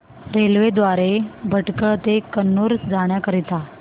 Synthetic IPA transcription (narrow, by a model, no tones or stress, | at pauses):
ɾelʋed̪ʋaɾebʱəʈkət̪ekənːoɾd͡zaɽ̃jakəɾit̪a